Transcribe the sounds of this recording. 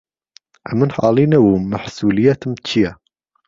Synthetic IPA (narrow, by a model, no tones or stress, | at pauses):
ʔæmənħɑ̰ːlinawumaħsuːlɪjat̪əmt͡ʃʰija